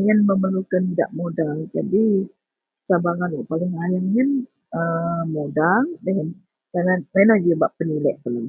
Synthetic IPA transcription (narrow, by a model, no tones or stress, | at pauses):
ŋənməməlukanida̰ʔmodald͡ʒadi | t͡ʃabaɾanwaʔpalɪŋajəŋən | əmodaldəŋən | kanamenɔhd͡ʒəbaʔpənilɛʔt̪ələ